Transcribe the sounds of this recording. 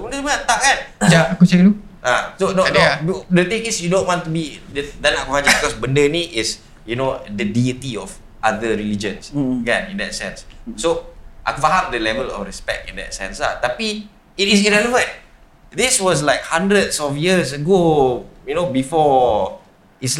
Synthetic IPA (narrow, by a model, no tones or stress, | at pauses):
sobəndəmaãt̪aʔ̚kãnd͡ʒaakut͡ʃalu | asononodət̪ĩŋisjudõnwɔ̃nt̪ubidədanakuad͡ʒabikɔsbəndəniʔɪs | junodədiət̪iɔf | ʔadəɹilid͡ʒə̃nskãnḭ̃ndɛt̚sɛ̰̃nsːoʔa̰kfaɦamdəlɛvəlɔ̰fɹɛspɛ̰k̚tḭ̃ndɛ̰t̚sɛ̰̃nsa̰t̪api | itisiɹɛləvə̃n̚ | diswɔs̬laɪk̚hãndɾədsɔfjiəs̬əɡojunobifɔ | is